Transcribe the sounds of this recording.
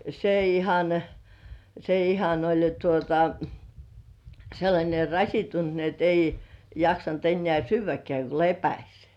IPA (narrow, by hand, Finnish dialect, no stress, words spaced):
se ihɑn se ihɑn olʲ jo tuotɑ selːɑnʲe rɑsʲitːunt ni et ei jɑksɑnt enːĕæˑ syːʋˑækĕæˑ ko lepæsʲ